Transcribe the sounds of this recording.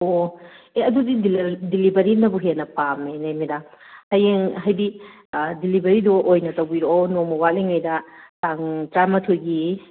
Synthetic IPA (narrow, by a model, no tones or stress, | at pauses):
o | eɐdudididilibɐɾinɐbuɦenɐpamenajmidahajeŋɦajbi | dilibɐɾidɔʔojnɐtɐwbiɾoonomɔwaliŋajdɐtaŋtɾajmɐtʰoɡi